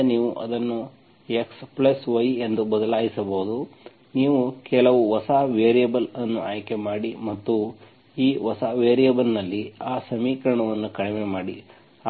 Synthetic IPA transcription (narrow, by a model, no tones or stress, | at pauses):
niːʋuʔɐd̪ɐnːu | eksplɐsʋɐje̞nd̪ubɐd̪ɐlaːjisɐbɐɦud̪u | niːʋukɛlɐʋuʋɐsaːʋeːɾijɐbɐlɐnːuʔaːjkemaːɽimɐt̪ːu | iːʋɐsaːʋeːɾijɐbɐlnɐlːiaːsɐmiːkɾɐɳɐʋɐnːukɐɽɛmemaːɽḭ